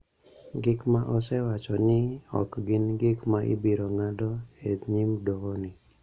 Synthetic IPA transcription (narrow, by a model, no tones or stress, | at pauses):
ɡɪkmaʔɔsɛwat͡ʃɔnɪɔ̰kɡɪnɡɪkmaʔɪ̰biɾoŋadɔhed̪ɲimdoonɪ